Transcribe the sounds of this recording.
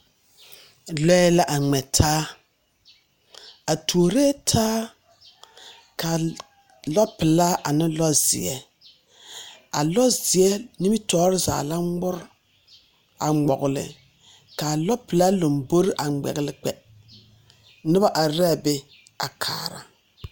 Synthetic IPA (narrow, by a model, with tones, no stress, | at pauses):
lɔ˦ɛ˦la˦ʔa˨ŋ͡mɛ˨tʰaː˦ | a˨tʰu˨o˨ɾe˦tʰaː˦ | kʰa˨ | lɔ˦pɪ˨la˦ʔa˨nɪ˦lɔ˦z̥ɪ̰˨ɛ˦ | a̰˨lɔ˦zɪ˨ɛ˦ni˦mi˦tʰɔː˦ɾɪ˦za̰ː˨la˦ŋ͡mʊ˦ɾ | a̰˨ŋ͡mɔ˨ɣʊ˨lɪ̰˨ | ka˨lɔ˦pɪ˨la˦lo˨mbo˦ɾɪ˦ʔa˨ɡ͡bɛ̰˨ɣɪ˨lɪ˦k͡pɛ˨ | nɪ˦ba˦ʔa˨ɾɛ˦˨bɛ˦ | a˨kʰa̰ː˨ɾa̰˨